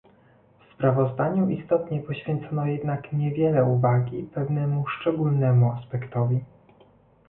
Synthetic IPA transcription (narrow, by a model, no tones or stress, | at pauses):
fspɾavɔzd̪aɲuʔist̪ɔt̪ɲɛpɔɕfʲjɛnt̪sɔnɔjɛd̪nakɲɛvʲjɛlɛuvaɡʲipɛvnɛmuʂt͡ʂɛɡulnɛmuaspɛkt̪ɔvʲi